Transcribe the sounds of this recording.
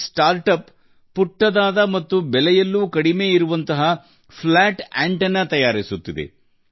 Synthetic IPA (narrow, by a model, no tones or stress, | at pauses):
sʈaːɾʈɐpː | uʈːɐd̪aːd̪ɐmɐt̪ːubɛlɛjɐlːuːkɐɽime̞ːiɾuʋɐnt̪ɐɦɐ | pʰlaːʈaɳʈɐnːɐt̪ɐjaːɾisut̪ːid̪ḛ